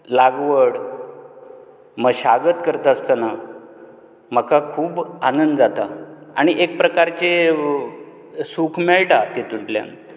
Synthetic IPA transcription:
laɡʋəɽ | məɡɕaɡət̪kəɾt̪aəst̪ana | m̤əkakʰuːbanənd̪d͡zat̪aa̰ɽ̃iʔek̚pɾəkaɾt͡ɕe | sukʰmeɭʈat̪et̪uʈlja̰n

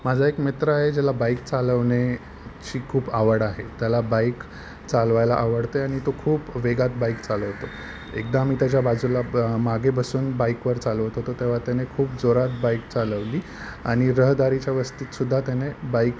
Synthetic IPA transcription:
mad͡zʱaekmet̪ɾəaɦed͡ʑalabaikt͡saləʋɳe | t͡ɕiːkʰuːbaʋəɽaɦet̪jalabaik | t͡salʋajla̰ʔaʋəɽt̪eaɽ̃it̪okʰuːpʋeɡat̪̚baikt͡saləʋt̪o | ḛkd̪amiːt̪jat͡ɕjabad͡zulamaɡʱebəsuːnbajkʋəɾt͡saləʋt̪ɦot̪ot̪eʋ̤at̪janekʰuːpd͡zoɾat̪̚bajk̚t͡saləʋliː | aɽ̃iɾəɦd̪aɾit͡ɕjaʋəst̪iːt̪sud̪ʱːat̪janebaik

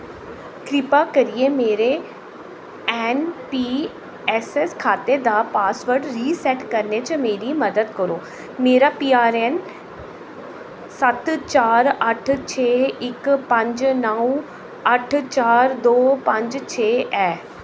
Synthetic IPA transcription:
kɾɪpakɐɾiemeːɾe | ɛːnpiː | ɛːseskʰaːt̪ed̪aːpaːsʋəɾɖɾiːsɛːʈkɐɾnet͡ʃəmeːɾimɐd̪əd̪kəɾoː | meːɾapiːaːɾen | sɐt̪t͡ʃaːɾɐʈʰt͡ʃʰeːɪkpɐ̃ɲd͡ʒnəũ | ɐʈʰt͡ʃaːɾd̪oːpɐ̃ɲd͡ʒt͡ʃʰeːɛː

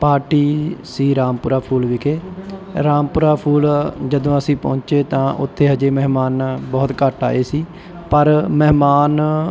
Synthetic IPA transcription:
paːɾʈiːsiːɾaːmpʊɾaːpʰuːlʋɪkʰeːɾaːmpʊɾaːpʰuːld͡ʒəd̪õːəsĩːpɔ̰̃ːt͡ʃeːt̪ãːʔʊ̰t̪ʰːeːɦəd͡ʒeːmɛɦmaːnbɔːt̪kəʈa̰ːeːsiː | pəɾmɛɦmaːn

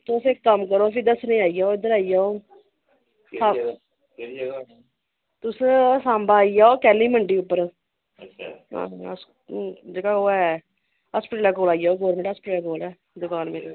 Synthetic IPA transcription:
t̪osekːəmkəɾoːpʰɪd̪əsnəĩːaːijaoːɪd̪əɾaːijaːoː | sa | t̪ʊssãːmbaːijaːoːkɛːliːməɳɖiːʊpːəɾʰ | ɦã̰ːs | d͡ʒeːkaoːɛ | ɦaspʈəːlɛːkoːlaːijaːoːɡɔːɾmẽɳʈaspʈːlɛːkoːlɛː | d̪ʊkaːnmẽː

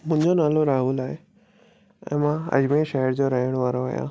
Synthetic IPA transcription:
mʊ̃ɪ̃ɲd͡ʑonaːloɾaːɦuːlaːɦe | ɛ̰̃ːmãɐ̰d͡ʑmeʃɛːəɾd͡ʑoːɾɐɦiəɽ̃ʋaːɾoə̰ɦjã̰ː

